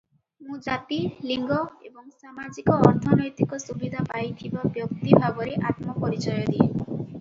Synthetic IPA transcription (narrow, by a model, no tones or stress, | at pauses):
mũd͡ʒat̪iliŋɡɔebɔŋsamad͡ʒikɔːɾt̪ʰɔnɔjt̪ikɔsubid̪ʱapajt̪ʰibɔbjɔkt̪ibʱabɔɾeʔat̪mɔpɔɾit͡ʃɔjɔd̪i